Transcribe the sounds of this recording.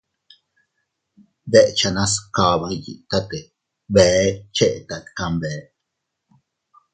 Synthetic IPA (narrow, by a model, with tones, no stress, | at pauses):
d̪e˦ʔt͡ʃa˧nã˦ska˨βa˧jḭ˨t̪a˦t̪e˨ | be˨˦t͡ʃe˦ʔt̪a˧t̪ka˧mbe˨˦